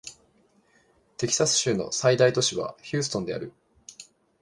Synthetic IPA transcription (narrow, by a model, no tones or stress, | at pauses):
t̪e̞kʲi̥sasɨ̥ɕɨːno̞̰said̪ait̪o̞ɕiβa̰çɨ̟ːsɨ̥t̪o̞nd̪e̞a̰ɾɯ̟